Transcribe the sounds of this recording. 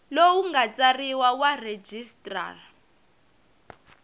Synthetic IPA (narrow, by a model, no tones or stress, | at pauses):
lowuŋɡat͡sariwawared͡ʒistʼra̰ːr